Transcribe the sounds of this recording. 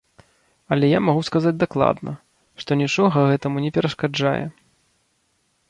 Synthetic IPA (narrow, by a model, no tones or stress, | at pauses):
ɐlʲɛjamaɣuskazad͡zʲd̪aklˠa̰d̪nɐ̰ | ʂt̪ɔnʲit͡ʂɔɣɐɣɛt̪ɐmunʲɛpʲɛɾɐʂkad͡ʐa̰jɛ̰